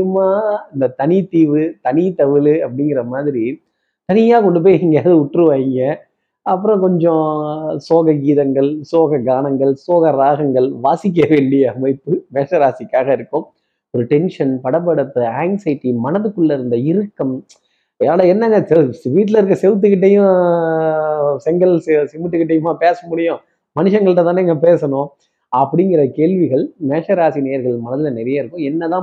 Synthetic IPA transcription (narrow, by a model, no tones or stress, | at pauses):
ɯmaːɐnd̪ɐt̪ɐnit̪iːʋɯt̪ɐnit̪ɐʋɪlɯɐpːɐɽɪŋɡɪɾɐmaːðɪɾi | t̪ɐnɪjaːkɔɳɖɯp̬ːoːjɛŋɡɐjaːðɯʊʈrɯʋaːɣɪŋɡɐ | ɐp̬ːɯɾɔ̃kɔɲd͡ʒɔ̃soːɣɐɡiːðɐŋɡɐɭsoːɣɐɡaːnɐŋɡɐɭsoːɣɐɾaːɣɐŋɡɐɭʋaːsɪk̬ːɐʋeːɳɖɪjɐːmɐɪpːɯmeːʂɐɾaːsɪkːaːɣɐɪɾɯkːɯ̃m | ɔɾɯʈɛnʂɐnpɐɽɐpːɐɽɐpːɯaːŋsɐɪʈːimɐnɐðɯkːɯɭːɐɪɾɯnd̪ɐɪɾɯkːɐm | jaːɭɐɛnːɐŋɐsɛʋiːʈ̬ːɪlɐɪɾɯk̬ːɐsɛʋt̪̬ːɯkɪʈ̬ːɐjʊ̃ | sɛŋɡɐlssɪmɯʈːɯkɪʈ̬ːɐjɯmaːpeːsɐmʊɽɪjʊ̃ | mɐnɪʂɐŋɡɐɭɯʈːɐt̪ãːnɛŋɡɐpeːsɐnʊ̃ | ɐpːɐɽɪŋɡɪɾɐkeːɭʋɪɣɐɭmeːʂɐɾaːsinejɐɾɣɐɭmɐnɐðɪlɐnɛɾɐjaːɪɾɯkːʊ̃ɛnːɐt̪ãː